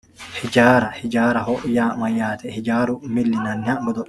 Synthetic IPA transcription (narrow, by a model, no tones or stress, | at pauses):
hɪd͡ʒaːɾɐhɪd͡ʒaːɾɐɦɔʔjaːmɐjːaːt̪ʰɛhɪd͡ʒaːɾʊmɪlːɪnɐnːɪhɐʔɡɔd̪ɔʔ